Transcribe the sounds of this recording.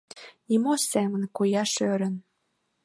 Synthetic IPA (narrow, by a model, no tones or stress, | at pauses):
nimosemənkujɑʃøɾə̆n